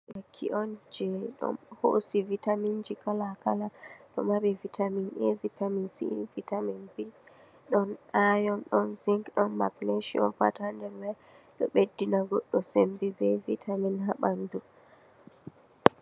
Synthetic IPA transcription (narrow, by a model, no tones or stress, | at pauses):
ʔakʰːḭʔɔnd͡ʒɛɗɔ̰nho̰sivitamind͡ʒikalakalaɗɔ̰mabɛvitʰaminʔɛvitaminsḭvitaminbi | ɗɔnajɔnɗɔnziŋkɗɔnma̰kleʃiɔ̰nfa̰tahandɛɾwɛj | ɗɔɓedːinaɡɔɗːɔsembɛbɛvitʰaminɦaɓandu